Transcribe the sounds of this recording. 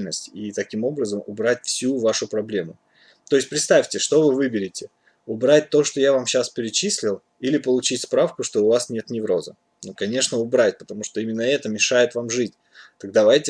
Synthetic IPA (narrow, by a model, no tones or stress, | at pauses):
lʲnəsʲtʲit̪ɐkʲimo̞bɾəzəmʊbɾatʲfsʲuvaʂʊpɾɐblʲe̞mʊ̰ | t̪oɪsʲpɾʲɪt̪st̪afʲtʲɪʂt̪o̞vɨvɨbʲɪɾʲɪtʲɪ | ʊbɾat̚ʲt̪o̞ʂt̪o̞javamɕaspʲɪɾʲɪt͡ɕisʲlʲɪlˠ | ilʲɪpəlˠʊt͡ɕitʲspɾafkʊʂt̪o̞ʊvasnʲe̞t̪nʲɪvɾo̞zə̰ | nukɐnʲe̞ʂnəʊbɾatʲpə̥t̪ɐmuʂt̪o̞imʲɪnːəɛt̪əmʲɪʂajɪt̪vamʐɨtʲ | t̪ɐɡ̚d̪avajtʲɪ